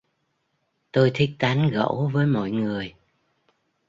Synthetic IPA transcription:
t̪o˧jt̪ʰi˦˥k̟̚t̪a˨˦nɣə̰˧˥wvəː˨˦jmɔ̰˧˨jŋɨ˨˩əj

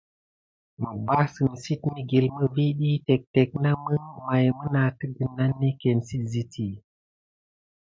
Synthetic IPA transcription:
mə˨ba˦sɨ˨m˨si˦tmi˦ɡi˨lmə˦vi˦ɗi˦te˨k̚te˨k̚na˦mə˦ŋma˨jmə˦na˨ti˦ɡi˨nːa˦nːi˦ke˨nsi˦tzi˦tʰi˨

